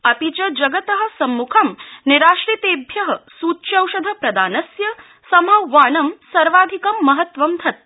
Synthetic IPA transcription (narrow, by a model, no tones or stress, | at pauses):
ɐpit͡ʃɐd͡ʒɐɡɐt̪ɐɦɐ̆sɐmːukʰɐmniɾaːʂɾit̪eːbʱjɐɦɐsuːtːʃɐwʃɐd̪ʱɐpɾɐd̪aːnɐsjɐ | sɐmɐʋaːnɐmsɐɾʋaːd̪ʱikɐmːɐɦɐt̪ʋɐmd̪ʱɐt̪̚